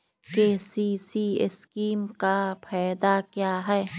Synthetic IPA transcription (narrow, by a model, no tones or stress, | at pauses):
keːsisiɪ̰skiːmkapʰɛːd̪akijaɦɛː